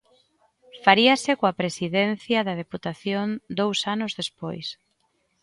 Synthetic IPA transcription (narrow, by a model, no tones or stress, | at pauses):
faɾiɐsɪkoapɾesiðen̟θjɐðɐðeput̪aθjond̪owsanʊzðespo̰js